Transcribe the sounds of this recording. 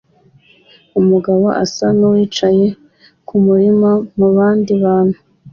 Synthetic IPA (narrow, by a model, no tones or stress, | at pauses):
umuɡaβo̞̰ʔa̰sanowiːt͡ʃaje̞ | kumuɾimamuβaːndiβaːn̥hu